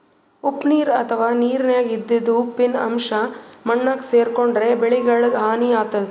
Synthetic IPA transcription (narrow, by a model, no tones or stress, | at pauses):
upniːɾɐ̰t̪ʰɐʋaːniːɾnjaːɡid̪ːid̪ːupinɐ̰mʂɐmɐɳːɐkseːɾkoɳɖɾe̞beɭiɡɐɭɐd̪ɦaːniaːt̪ɐd̪